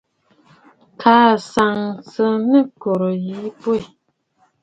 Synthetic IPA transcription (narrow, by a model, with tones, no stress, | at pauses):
kʰaː˨˦sa˨ŋsə˦nə˦kɔ˨ɾɔ˨ji˨˦pwe˦˨